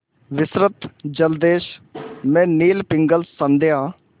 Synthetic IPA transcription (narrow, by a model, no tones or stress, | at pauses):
ʋɪsɾət̪d͡ʒəld̪eːʃmɛ̃ːniːlpɪŋɡəlsənd̪ejaː